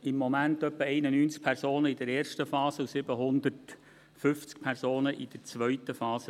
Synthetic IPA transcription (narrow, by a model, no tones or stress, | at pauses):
ɪmːomæntœpːəɛɪnənyːnt͡sk̚pʰɛɾsoːnəɪdəɾeːrʃtəfɑːsəusɪbəɦʊnd̪əɾt | fʏft͡sk̚pʰɛɾsoːnəʔɪd̥əɾt͡sʋœɥtːəfɑːsə